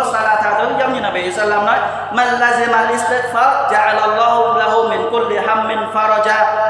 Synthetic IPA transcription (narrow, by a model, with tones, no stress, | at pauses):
sa˧laː˧˩t̪ʰaː˨˩ʔə˨˦nza˨˦wŋ͡mɲi˨naː˨˩bi˨hi˨sa˧lːaː˧mnɔ˨˦j | ma˨lːa˧zi˧ma˨lʔi˧st̪e˦˥t̪̚faː˦ɾd͡ʒa˦ʕa˨lʔa˨lˤːɔː˧hla˦ɦu˧mɪ˨nkʊ˧˦lːi˨ɦa˧mːɪ˨nfa˧ɾˤɔ˧d͡ʒaː˧